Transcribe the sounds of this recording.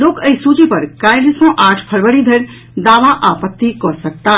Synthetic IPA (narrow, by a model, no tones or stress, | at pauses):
loːkəisut͡ʃipəɾkãɪɾsɔ̃ʔaːʈʰpʰəɾʋəɾid̪ʱəɾ | d̪aːʋaʔapət̪ːikɔsək̚t̪a